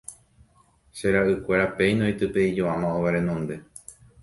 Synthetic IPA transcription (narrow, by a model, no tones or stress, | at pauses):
ʃe̞ɾaʔɨkʷe̞ɾape̞jnõjt̪ɨpe̞id͡ʒoãmãoʋaɾẽ̞nõ̞nd̪e̞